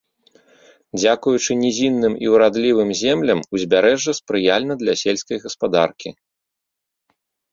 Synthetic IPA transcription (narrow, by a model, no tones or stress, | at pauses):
d͡zʲakujut͡ʂɨnʲizʲinːɨmḭwɾad̪lʲivɨmzʲɛmlʲɐmuzʲbʲaɾɛʐːɐspɾɨjalʲnɐd̪lʲɐsʲɛlʲskɐjɣɐspad̪a̰rkʲi